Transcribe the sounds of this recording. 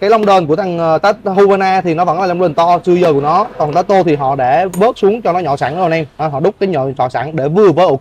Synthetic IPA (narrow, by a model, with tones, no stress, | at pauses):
kaː˨˦jla˧wŋ͡mɗəː˨˩nku˧˩ət̪ʰa˨˩ŋʔːt̪aː˦˥t̚hu˧vəː˧naː˧t̪ʰi˨˩nɔ˨˦və̰˧˥nlaː˨˩la˧ŋ͡mɗəː˨˩t̪ɔ˧t͡ɕɨ˧əzəː˧˩kənɔ˨˦kɔ˨˩nt̪aː˨˦˥t̪o˧t̪ʰi˨˩ɦɔ̰˧˨ɗe˧˩ɓəː˦˥t̚su˨˦əŋt͡ɕɔ˧nɔ˨˦ɲɔ̰˧˨saː˧˩n˧˦zo˨˩nʔɛ˧m˨˧˩ɦɔ̰˧˨ɗʊ˦˥k͡p̚kaː˨˦jɲɔ̰˧˨ɲɔ̰˧˨sa̰ː˧˩nɗe˧˩vɨ˨˩əvəː˨˦jʔʊ˨˧˩k̚